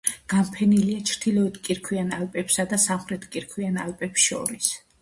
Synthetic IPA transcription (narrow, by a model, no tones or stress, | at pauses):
ɡ̥ampʰɛniliat͡ʃʰɾd̪̥ilˠɔɛt̪ʰkʼiɾkʰwianalpʼɛpsad̪asamχɾɛt̪ʰkʼiɾkʰwiana̰lpʼɛpsʃɔ̰ɾis